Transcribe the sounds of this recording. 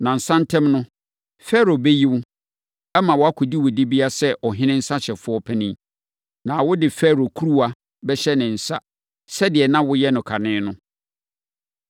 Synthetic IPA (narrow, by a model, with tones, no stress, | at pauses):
nã˨n̩˨sã˦n̩˦tʰɛ̃˦mnʊ̃˦ | fɛ˦ɾo˨be˦ji˦wʊ˦ | ɛ˦mã˨wɔ˨a˦kʰʊ˨di˦wʊ˨di˦bi˦a˦sɛ˦ʔɔ˨ɦɪ̃˦nɪ̃˦n̩˦sa˦ɕɛ˨fʊ˦ɔ˦pʰɛ˦nɪ̃˦ | nã˨wʊ˦dɪ˨fɛ˦ɾo˨kʰu˦ɾu˦a˨ | bɛ˦ɕɛ˦nɪ̃˨n̩˨sa˦ | sɛ˦dɪ˨ɛ˨nã˦wʊ˦jɛ˦nʊ̃˨kʰa˨nɪ̃ː˦nʊ̃˦